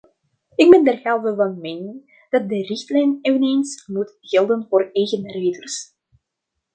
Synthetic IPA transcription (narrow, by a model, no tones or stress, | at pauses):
ɪkmɛndərɣɛlˠvəvɑnmeːnɪn | d̥ɑt̚dərɪxtlɛjneːvəneːnsmutɣ̥ɪlˠdənvoːrɛjɣənreːdərs